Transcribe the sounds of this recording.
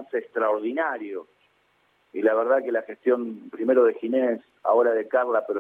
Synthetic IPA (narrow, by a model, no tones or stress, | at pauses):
seeːkst̪ɾaoɾðinaɾjo | ilaβeɾð̞akelaxest̪jo̞mpɾimeɾoðexines | a̰o̞ɾaðekarlapeɾo